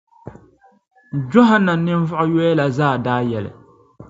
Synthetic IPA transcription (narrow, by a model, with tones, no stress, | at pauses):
d͡ʒo˦ɦa˦nːa˨nɪ˦n˦vʊ˦ʔʊ˦jo˦ɛ˦la˨zaː˦˨daː˦jɛ˨lɪ̰˨